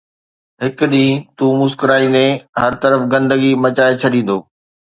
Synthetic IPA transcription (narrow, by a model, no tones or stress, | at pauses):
ɦɪkʊd̪ĩːt̪uːmʊskɾaːĩnẽɦɐɾt̪ɐɾəfɡɐ̃nd̪əɡimɐt͡ɕaːet͡ɕʰɐɗĩːn̆d̪oː